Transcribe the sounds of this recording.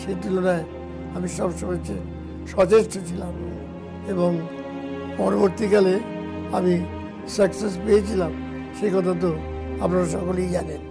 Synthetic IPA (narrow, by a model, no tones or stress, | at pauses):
ʃet̪ulonae | amiʃɔbʃɔmat͡ɕʰe | ʃɔt͡ɕeʃʈot͡ɕʰilam | eboŋ | pɔnoboɾt̪ikale | ami | sakses̬peet͡ɕʰilam | ʃekɔt̪ʰat̪̬o | apnaɾaʃɔkolejd͡ʑanen